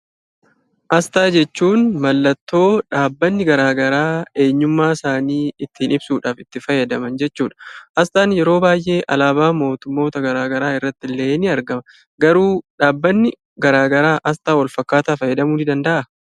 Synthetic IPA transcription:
ʔɐst̪aːd͡ʒɛt͡ʃːuːnmɐlːɐt̪ːo̞ːᶑaːbːɐnːɪɡɐɾaːɡɐɾaːe̞ːɲːʊmːaːsaːniːɪt̪ːɪːnɪbsuːᶑaːfɪt̪ːɪfɐjːɐd̪ɐmɐnd͡ʒɛt͡ʃːuːᶑɐ̥ʔɐst̪aːnjɛɾo̞ːbaːjʔe̞ːʔɐlaːbaːmo̞ːt̪ʊmːo̞ːt̪ɐɡɐɾaːɡɐɾaːɪrːɐt̪ːɪlːeːnɪɐɾɡɐmɐ | ɡɐɾuːᶑaːbːɐnːɪ | ɡɐɾaːɡɐɾaːʔɐst̪aːwɐlfɐkːaːt̪aːfɐjɛd̪ɐmuːnɪd̪ɐnd̪ɐʔɐ

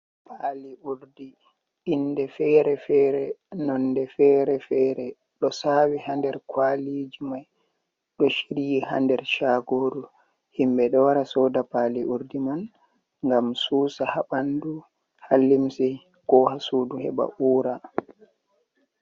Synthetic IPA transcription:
pʰaliuɾdi | indɛfɛːɾɛfɛːɾɛnɔnːdɛfɛɾɛfɛːɾɛ | ɗɔsawihandɛɾkʰwalid͡ʒimaj | ɗɔʃiɾijiha̰ndɛɾt͡ʃaɡoɾu | himbɛɗɔwaɾasɔdapaliʔuɾdiman | ŋɡamsuːsahaɓandu | halːimsɛ | kɔhasuduhɛ̰ba̰ʔuːɾa

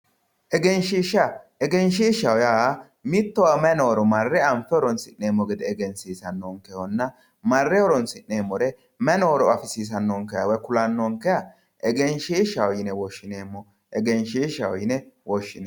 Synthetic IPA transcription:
ʔɛɡɛnʃiːʃa | ɛɡɛnʃiːʃɐwɔja | mɪt̪ːɔwamɛnoːɾɔmɐrːɛɐmfɛɔɾɔnsɪnːeːmːɔɡɪd̪ɛɛɡɛnsiːsɐnːoːŋkɛhɔnːɐ | mɐrːɛɔɾɔnsɪnːeːmːɔɾɛ | mɛnoːɾɔɐfɪsiːs̬ɐnːoːŋkɛja̰wɛkʊlɐnːɔːŋkɛjɐ | ʔɛɡɛnʃiʃɐwɔjɪnɛwɔʃːɪneːmːɔ | ʔɛɡɛnʃiʃɐwɔjɪnɛwɔʃːɪn

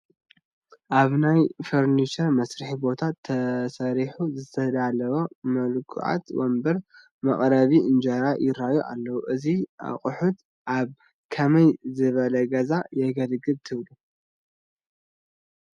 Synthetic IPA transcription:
ʔaβnajfoɾnit͡ʃɐɾmɐsɾɨħibo̞t̪ʰat̪ʰːɐsɐɾiħuzɨt̪ʰɐd̪alɐβomɐlkʰṵʕa̰t̪wo̰mbɐɾ | mɐχʼɾɐβiɨnd͡ʒɐɾajɪɾajuʔa̰lːɐwuʔɨziʔa̰χʼʊħut̪ | ʔaβ | kʰɐmɐjzɨβɐlɐɡɐzajɛɡɐlɡɨβt̪ʰɨβlu

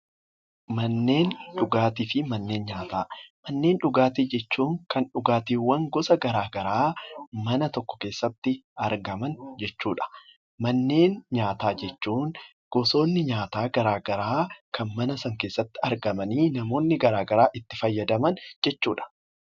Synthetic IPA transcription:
mɐnːe̞ːnᶑʊɡaːt̪iːfɪmɐnːe̞ːnɲaːt̪aːmɐnːe̞ːnᶑʊɡaːt̪iːd͡ʒɛt͡ʃːuːŋkɐnᶑʊɡaːt̪iːwːɐŋɡɔsɐɡɐɾaːɡɐɾaːmɐnɐt̪ɔkːɔ̥ke̞ːsːɐt̪ːɪɐɾɡɐmɐnd͡ʒɛt͡ʃːuːᶑɐ̥ | mɐnːe̞ːnɲaːt̪aːd͡ʒɛt͡ʃːuːŋ | ɡ̥ɔso̞ːnːɪɲaːt̪aːɡɐɾaːɡɐɾaːkʰɐnmɐnɐsɐŋke̞ːsːɐt̪ːɪɐɾɡɐmɐniːnɐmo̞ːnːɪɡɐɾaːɡɐɾaːʔɪt̪ːɪfɐjːɐd̪ɐmɐnd͡ʒɛt͡ʃːuːᶑɐ̥

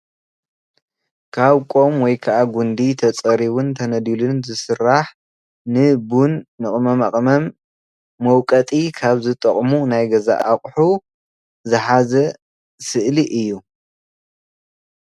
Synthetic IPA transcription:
kʰaβkʼo̞mwɔjkʰɐʔaɡund̪it̪ʰɐt͡sʼɐɾiβunt̪ʰɐnɐd̪ilɨnzɨsɨraħ | nɨbunːɨχʼmɐmaχʼmɐmː | ɐwkʼɐt̪ʼikʰaβzɨt̪ʼɐχʼmunajɡɐza̰ʔaχʼħu | zɨħazɐ | sɨʔliʔɨjːu

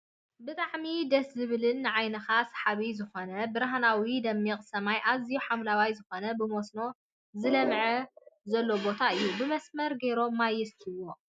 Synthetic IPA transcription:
bɨt̪ʼaʕmid̪ɐszɨβɨlɨnːɨʕajnɐxasḁħaβizɨxo̞nɐbɨɾaɦnawid̪ɐmːikʼsɐmajʔazijuħamlawajzɨxo̞nɐbɨmo̞sno̞ | zɨlɐmʕɐzɐlːo̞bo̞t̪ʰaɨjːubɨmɐsmɐɾɡeɾo̞majɛst̪ʰɨwo̞

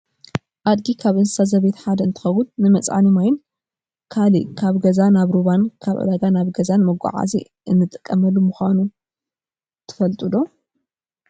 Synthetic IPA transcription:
ʔad̪̚ɡikʰaβʔɨnsazɐβet̪ħad̪ɐɨnt̪ʰɨ̥xɐwʊnnɨmɐt͡sʼa̰nimajɪn | kʰalikʰaβɡɐzanaβɾuβankʰaβʔɨ̰d̪aɡanaβɡɐzanmɐɡʷa̰ʕa̰zḭ | ʔɨnːɨt̪ʼɨkʼːɐmɐlːumuxʷanu | t̪ʰɨ̥fɐlt̪ʼud̪o

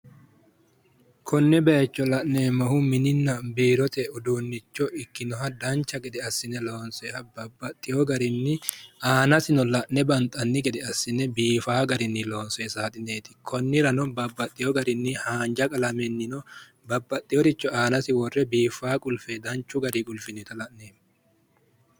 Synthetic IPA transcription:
kʰɔnːɛbɛt͡ʃːɔlɐʔneːmɐhʊmɪnɪnːɐbiːɾɔt̪ɛʊd̪uːnːɪt͡ʃːɔʔɪkːɪnɔɦɐd̪ɐnt͡ʃːɐɡɛd̪ɛɐsːɪnɛlo̞ːnsɔhɐbɐbːɐt̪ʼːɪjɔɡɐɾɪnːɪʔaːnɐsɪnɔlɐʔnɛbɐnt̪ʼɐnːɪɡɛd̪ɛɐsːɪnɛbiːfaːɡɐɾɪnːɪlo̞ːnsɔɛsaːt̪ʼɪneːt̪ɪ̥kʰɔnːɪɾɐnɔbɐbːɐt̪ʼːɪjɔɡɐɾɪnːɪhaːnd͡ʒɐkʼɐlɐmɛnːɪnɔ | bɐbːɐt̪ʼːɪjɔɾɪt͡ʃːɔaːnɐsɪwɔrːɛbiːfaːkʼʊlfed̪ɐnt͡ʃːʊɡɐɾikʼʊlfɪnɛt̪ɐlɐʔneːmː

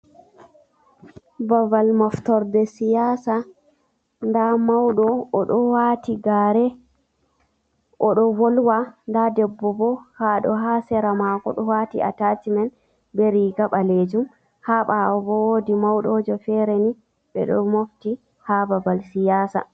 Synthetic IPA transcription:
bavalmɔftɔɾdɛsijasa | ndamawɗɔːɗɔwaːtiɡaːɾɛ | ʔɔɗɔvɔlwandadɛbːɔbɔhaɗɔ̰ɦaːsɛɾamaːkɔ̰ɗɔwatḭa̰tatimɛn | bɛɾiɡaɓaled͡ʒum | haɓabɔwoːdimawɗɔd͡ʒɔfɛɾɛni | ɓɛ̰ɗɔ̰mofti | habavalsijaːsa̰

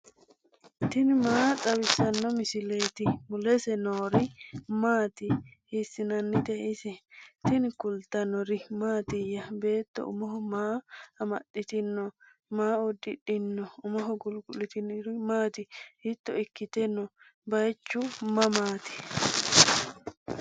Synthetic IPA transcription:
t̪ɪnmaːt͡sʼɐwɪsɐnːɔmɪsɪleːt̪ɪmʊlɛsɛnoːɾɪmaːt̪ɪhɪsːɪnɐnːɪt̪ɛʔɪsɛt̪ɪnkʊlt̪ɐnɔɾɪmaːt̪ɪjɐbe̞ːt̪ːɔ̰ʊ̰mɔhɔmaːɐmɐ̰ɗɪt̪ɪnːɔ | maːʊd̪ːɪᶑɪnːɔʊmɔɦɔɡʊlɡʊlɪt̪ɪnɾɪmaːt̪ɪhɪt̪ːɔɪkːɪt̪ɛnɔbɐjt͡ʃːʊmɐmaːt̪ɪ̥

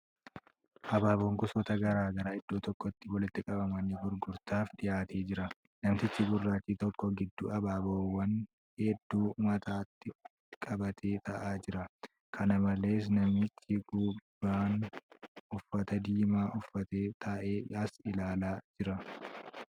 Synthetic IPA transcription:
ʔɐbaːboːŋkʊsɔt̪ɐɡɐɾaːɡɐɾɐɪd̪̥ːoːt̪ɔkːɔt̪ːɪwɔlɪt̪ːɪkʼɐbɐmɐniːɡʊɾɡʊɾt̪aːfd̪ɪjaːt̪ʰeːd͡ʒɪɾɐ | nɐmt̪ɪt͡ʃːɪɡʊrːaːt͡ʃːiːt̪ɔkːɔɡɪd̪ːuɐbaːboːwːɐn | hɛd̪ːuːmɐt̪aːt̪ːɪ | kʼɐbɐt̪ʰe̞ːt̪ɐʔaːd͡ʒɪɾɐ | kʰɐnɐmɐle̞ːs̬nɐmɪt͡ʃːɪɡuːbaːn | ʊfːɐt̪ɐd̪iːmaːʔʊfːɐt̪eːt̪ʰɐʔeːɐsɪlaːlaːd͡ʒɪɾɐ

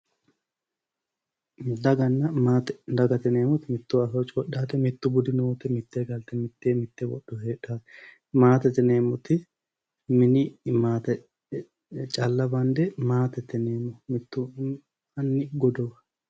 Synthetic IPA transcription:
d̪ɐɡɐnːɐaːt̪ɛd̪ɐɡɐt̪ɛneːmɔt̪ɪmɪt̪ːʊɐsɔt͡ʃʼɔɗːaːt̪ɛmɪt̪ːʊbʊd̪ɪnuːt̪ɛmɪt̪ːeːɡɐlt̪ɛmɪt̪ːeːmɪt̪ːɛwɔ̰ɗːɔheːɗaːt̪ɛ̥ | maːt̪ɛt̪ːɛneːmʊt̪ɪ | mɪnɪmaːt̪ɛ | t͡ʃʼɐlːɐbɐnd̪ɛmaːt̪ɛt̪ːɛneːmɔmɪt̪ːʊ | ɐnːɪɡɔd̪ɔɐ

